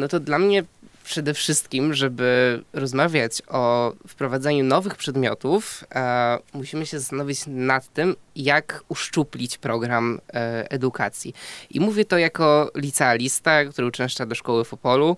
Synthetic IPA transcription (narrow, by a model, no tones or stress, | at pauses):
nɔt̪ɔd̪lamɲɛpʂɛd̪ɛfʂɘst̪kʲimʐɛbɘɾɔzmavʲjat͡ɕɔfpɾɔvad̪zɛɲunɔvɘxpʂɛd̪mʲjɔt̪uf | muɕimɘɕɛzast̪anɔvʲit͡ɕnat̪ːɘmjakuʂt͡ʂuplʲit͡ɕpɾɔɡɾamɛd̪ukʰa̰t̪sʲjḭʔimuvʲjɛt̪ɔjakɔlʲit̪sɛalʲist̪akt̪uɾɘut͡ʂɛ̃w̃ʂt͡ʂad̪ɔʂkɔwɘfɔpɔlu